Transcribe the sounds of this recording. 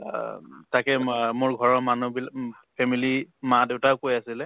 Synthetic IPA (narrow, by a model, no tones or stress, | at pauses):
takɛmʊɹɡʱɔɹɔmanubil | pʰɛmilimadeʊtaʊkojasilɛ